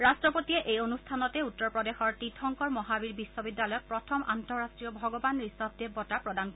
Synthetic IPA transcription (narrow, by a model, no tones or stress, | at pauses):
ɹastɹɔpotiɛʔejonustʰanɔtɛutːɔɹpɹɔdexɔɹtɹitʰɔŋkɔɹmɔɦabiɹbisːɔbidːalɔjɔk̚pɹɔtʰɔmʔa̰ntɔɹːastɹijɔbʱɔɡɔbanɹisɔb̚d̪ebɔtapɹɔdanko